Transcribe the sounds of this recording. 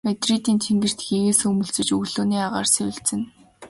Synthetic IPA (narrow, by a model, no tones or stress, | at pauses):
met̪rit̪iːnt̪ʰeŋɡɘ̆r̥t̪xiɣeːsɵmɵ̆ɮt͡sɘ̆t͡ɕɵɣɮoːniːaʁa̰ːrsewɘ̆ɬt͡sɘ̆n